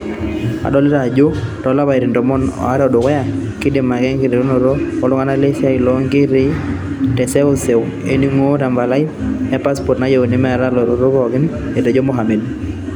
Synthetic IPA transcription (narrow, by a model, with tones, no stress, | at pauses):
a̰˨dɔ˦lɪ˦ɾa˨d͡ʒo˦tɔ˨la˦ba˨e˨ɾɪ˨ndɔ˨mɔ˦nɔ̰˨a˦ɾɔ˨dʊ˨kɔ˦ja˨kɪ˦de˨ma˨ɡɛ˦ŋɡɪ˨ɾe˨ɾo˦no˨ɾo˦ɔ˨lʊ˦ka˦na˦le˦sɪ˦a˦ɪ˨lɔ˨˦ŋɡɪ˦ɾɪ˦ | tɛ˨sɛ˦o˦se˨ʊ˨ | ḛ˦ni˦ŋo˦ɾa˨mba˨la˦ɪ˦ɛ˦pa˦spɔ˨tna˦je˨o˨nɪ˦mɛ˦a˨ɾa˦lɔ˨ɾo˦ɾo˦kɔ˨ɡɪ˦n | e˨tɛ˨d͡ʒo˦mo˦ɦa˨me˨d